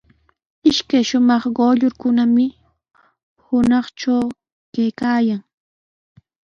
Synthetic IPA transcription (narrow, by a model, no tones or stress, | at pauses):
ɪʃkajʃʊmɑχɢoʎʊɾkʊnamɪ | hʊnɑχt͡ʃaw | kajkaːjaŋ